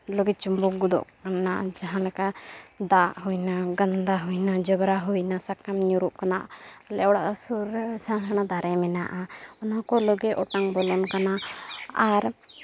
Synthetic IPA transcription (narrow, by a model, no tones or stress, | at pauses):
lɔɡɛt͡ʃumbɔk̚ɡud̪ɔ̰ʔkanaʔd͡ʒaɦãlɛkad̪aʔɦujnaɡand̪aɦujnad͡ʒəbɾaɦujnasakamɲuɾuʔkanaʔlɛɔɽa̰ʔsuɾsaañad̪aɾɛmɛna̰ʔaɔnakɔlɔɡɛʔɔʈaŋbɔlɔnkanaaɾ